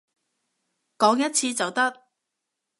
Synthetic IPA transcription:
kɔː˨˥ŋjɐ˥t̚t͡sʰiː˧t͡sɐ˨wt̪ɐ˥k̚

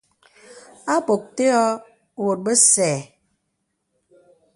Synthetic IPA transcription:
a˦k͡po˨k̚te˦ɔ˦˨ | wo˨t̚bə˦sɛː˨

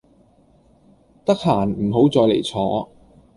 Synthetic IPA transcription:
t̪ɐ˥k̚haː˨˩nm̩˨˩ɦo˨˥wt͡sɔː˧jlḛ˨˩jt͡sʰɔː˨˧˥

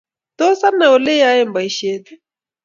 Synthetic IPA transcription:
t̪o˦sa˦nːa˨ɔ˨le˦ja˦je˦m˨ba˨i˨˦ʃe˦t̪

